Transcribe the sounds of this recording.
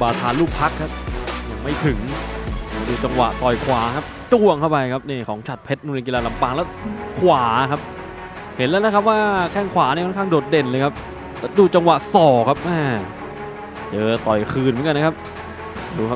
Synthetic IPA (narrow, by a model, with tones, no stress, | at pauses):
baː˧t̪ʰaː˧nluː˥˩k̚pʰa˦˥kʰːa˦˥p̚ja˨˧˩ŋma˥˩jt̪ʰɯ˨˩˦ŋaː˧˩duː˧t͡ɕa˧ŋwa̰˨˩ʔt̪ɔ˨˩jkʰwaː˩˦kʰa˦˥p̚t͡ɕ̪u˧˩əŋkʰa˥˩wpa˧jkʰa˦˥p̚niː˧˥˩kʰɔː˩˦ŋt͡ɕʰa˨˩t̪̚pʰe˦˥t̪̚nuː˧ki˧laː˧la˧˦mpaː˧˩ŋlɛː˦˥wkʰwaː˩˦kʰa˦˥p̚ | he˨˩˦nlɛː˦˥lkʰa˦˥p̚waː˥˩kʰɛː˥˩ŋkʰwaː˩˦ni˥˨kʰːnkʰaː˥˩doː˨˩t̪̚de˧˩nlɤː˧jkʰa˦˥p̚ | lɛː˦˥duː˧˩t͡ɕa˧ŋwa˨˩ʔsɔː˨˩kʰa˦˥p̚ʔaː˧˩ | t͡ɕɤː˧t̪ɔ˨˩jkʰɯː˧nmɨ˩˦ŋka˧na˦˥kʰa˦˥p̚ | duː˦˥kʰa˦˥